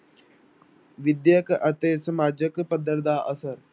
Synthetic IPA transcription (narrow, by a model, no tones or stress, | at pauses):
ʋid̪jəkʔɐt̪eːsɐmaːd͡ʒəkpɐd̪ːəɾd̪aːʔɐsɐɾ